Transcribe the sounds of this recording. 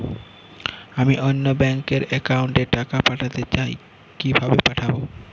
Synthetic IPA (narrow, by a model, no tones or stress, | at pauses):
amiʔonːobɛŋkeɾɛkauɳʈeʈakapaʈʰat̪et͡ɕae | kibʱabepaʈʰabo